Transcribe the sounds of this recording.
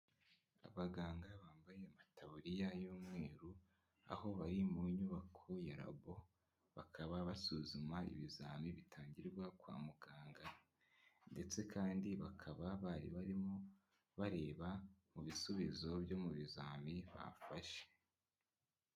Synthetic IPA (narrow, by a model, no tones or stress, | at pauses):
a̰βaɡaːŋɡaβaːmbaje̞amatʰaβuɾijajuːmŋe̞ːɾu | a̰ho̞βaɾimuɲuβakʰo̞jaɾa̰βo̞ | βakʰaβaβasuzumaḭβizaːmiβitʰaːɲɟiɾɡwakwa̰ːmuɡaːŋɡa | nde̞t͡se̞kʰaːndiβakʰaβaβaɾḭβaɾimo | βaɾe̞ːβamuβisuβizo̞bjo̞muβizaːmiβa̰faʃe̥